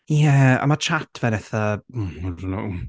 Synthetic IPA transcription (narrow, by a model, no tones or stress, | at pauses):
jɛa̰mat͡ʃʰatʰvɛnɛθam̩ɾno̰